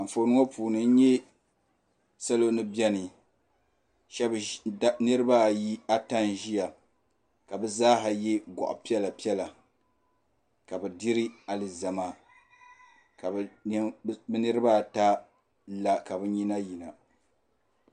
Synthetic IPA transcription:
a˨ɱ̩˨fo˨nɨ˦ŋo˦puː˨nɨ˨n̩˦ɲɛ˦ | sa˦lo˦nɨ˦bjɛ˦nɨ˨ | ʃɛ˦bnɨ˦ɾɨ˦ba˦˨ji˦a˦ta˦nʒi˦ja˨ | ka˨bɛ˦zaː˦ɦa˨je˦ɡɔ̰˨ʔʊ̰˨pi˦ɛ˦la˨pi˦ɛ˦la˨ | ka˨bɛ˨di˦ɾi˦a˨lɨ˨za˨ma˦ | ka˨˦ | bɛ˦nɨ˦ɾɨ˦ba˦˨ta˦ | la˨ka˨bɛ˦ɲi˦na˦ji˨na˨

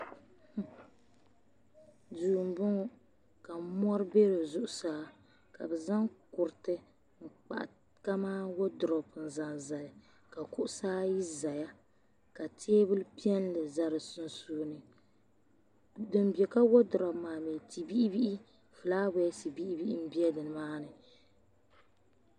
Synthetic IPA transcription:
duː˨m˨bʊ˦ŋɔ˦ | ka˨˦mɔ˦ɾɨ˦be˦ɾo˨zʊ˦ʔʊ˨saː˦ | ka̰˨bɛ˨za˦ŋkʊ˨ɾtɨ˦ | ŋ̩˨k͡pa̰˨ʔa̰˨ | ka˦maː˦wo˦dʊ˨ɾɔ˨pɨ˨n˨za˨nza˨l | ka˨kʊ˦ʔʊ˦saː˦ji˦za˨ja˦ | ka˨tʰeː˦bɨ˦lpi˦ɛ˦n˦lɨ˨za˦ɾɨ˨su˦nsuː˦nɨ˨ | dɨ˨m˦bi˨e˨ka˦wo˦dʊ˨ɾɔ˨maː˨me˨ti˨bi˦ʔi˦bi˦ʔi˦ | fɨ˨laː˦bɛ˦ti˨bi˦ʔi˦bi˦i˦m̩˦bi˦ɛ˦dɨ˨n˨maː˦nɨ˨

